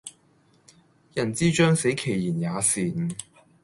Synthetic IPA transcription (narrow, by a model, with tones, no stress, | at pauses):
jɐ˨˩nt͡siː˥t͡ʃœː˥ŋse˨˥jkʰe˨˩jjiː˨˩njaː˨˧siː˨˩n